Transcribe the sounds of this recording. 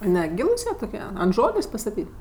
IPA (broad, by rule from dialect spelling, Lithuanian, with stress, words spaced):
nʲɛˈɡʲiːlˠʊs jiɛ toːˈkʲiɛ ɐnt ˈʒoːlʲeːsʲ pɐstɐˈtʲiːtʲ